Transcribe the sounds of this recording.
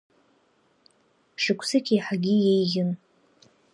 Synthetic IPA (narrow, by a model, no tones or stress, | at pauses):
ʂɨkʷʰsɨkʰʲejħaɡʲijejɡɪn